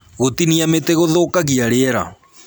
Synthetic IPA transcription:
ɣotiniameteɣoðoːkaɣiaɾeɛɾa̰

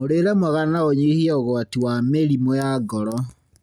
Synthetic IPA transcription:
moɾeɾɛmwaɣanaoɲihiɛoɣɔatiwameɾimojaɡɔɾɔ

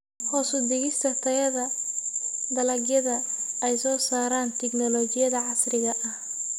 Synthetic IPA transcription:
hɔːsʊd̪ɪɣɪst̪ʰɐt̪ʰɐjɐðɐ | d̪ɐlɐɡjɐðɐɛjsɔːsaːɾaːnt̪ʰɛɡnɔlɔt͡ʃɪjɐðɐʕɑsrɪɣɐʔɐh

